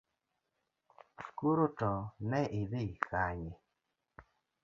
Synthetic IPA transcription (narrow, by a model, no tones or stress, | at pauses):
koɾotɔnɛʔɪdekʰaɲɪ